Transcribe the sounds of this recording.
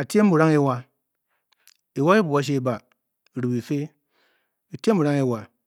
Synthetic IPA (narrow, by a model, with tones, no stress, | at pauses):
a˨tʲe˦m̩˦bu˨ɾa˦ŋe˦wa˦ | i˨wa˦i˦bu˨a˦ʃ̬e˦ba˨ | ɾu˨bi˨fe˦ | i˨te˦m̩˦bu˨ɾa˦ŋe˦wa˨